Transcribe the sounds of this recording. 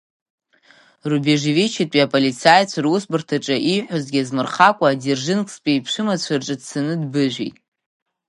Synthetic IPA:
rubeʐevit͡ʃʰitʼiapʼolit͡sʰajt͡ɕʷʰaɾusbɨrtʰaʈ͡ʂʼaʔiħʷᶣazɡʲiazmɨrχakʷʼaːderʒɪnkʼspʼejpʰʂɨmat͡ɕʷʰarʈ͡ʂʼɨdsanɨdbɨʒʷᶣḭjtʼ

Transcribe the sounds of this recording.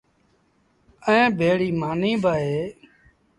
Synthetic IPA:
əẽːbʱeːɽiːmaːnĩːbʱaːɦeː

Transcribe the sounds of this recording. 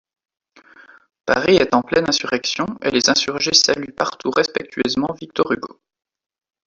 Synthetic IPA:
paʁiɛt̪ɑ̃plɛnɛ̃syʁɛksjɔ̃ḛlezɛ̃syʁʒesalypaʁt̪uʁɛspɛk̚t̪ʰɥøzmɑ̃vik̚t̪ɔʁyɡo̰

